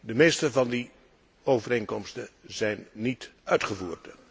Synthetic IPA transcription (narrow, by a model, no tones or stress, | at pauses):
dəmejstəvɑndi | owvərejŋkɔmstəzɛjnːitœɥtχəvuːrd